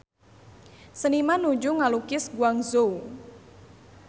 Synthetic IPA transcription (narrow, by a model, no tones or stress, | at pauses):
sənimanud͡ʒuŋalukɪsɡuaŋzow